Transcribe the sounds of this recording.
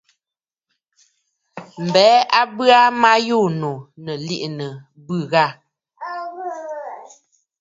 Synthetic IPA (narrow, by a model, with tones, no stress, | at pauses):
m̩˨bɛː˨˦a˦bɰa˦ma˦jo˦˨no˨nə˨li˦ʔnə˨ | bɯ˦˨ɣa˦˨